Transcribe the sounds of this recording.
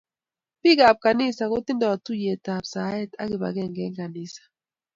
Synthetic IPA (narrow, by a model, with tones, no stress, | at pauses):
pi˦ka˨p̚ka˨ni˦˨sa˨ɣo˦ti˦nda˨wa˨tu˦jɛ˨ta˨psa˨ɛ˦ta˦ɣi˨βa̰˨ɣɛ˦˨ŋɡɛ˨˦ŋɡa˨ni˦sḁ˨